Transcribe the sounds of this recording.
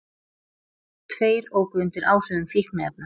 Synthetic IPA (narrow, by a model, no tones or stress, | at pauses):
t̪ʰveːjɾoːwkʏʏnt̪ɪɾʔaːwr̥ʏvʏmfihkmɛðɛp̚na